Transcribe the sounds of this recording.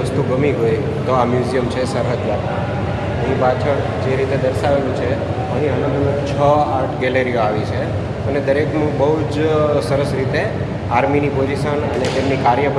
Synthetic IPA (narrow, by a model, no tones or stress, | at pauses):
əst̪uɡəmiɦoj | t̪oamjuzijəmt͡ʃʰesəɾɦəd̪ʋat̪a̰ | əɦĩpat͡ʃʰəɾ | d͡ʒeɾit̪ed̪əɾʃaʋelũt͡ʃʰe | əɦĩənə̃nd̪ənũt͡ʃʰəaɾʈʰɡeleɾijoaʋit͡ʃʰe | əned̪əɾekmãbəɦud͡ʒsəɾəsɾit̪e | aɾminipod͡ʒiʃənənet̪emnikaɾjəp